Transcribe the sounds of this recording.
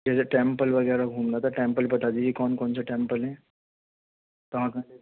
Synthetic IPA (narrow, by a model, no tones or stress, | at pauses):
d͡ʑat͡ɕaʈempəlʋəɡəjɾaɡʱuːmnat̪əʈempəlpət̪ad͡ʑiɦikɔnkont͡səʈempəlɦẽ | t̪əʋ̤ãkã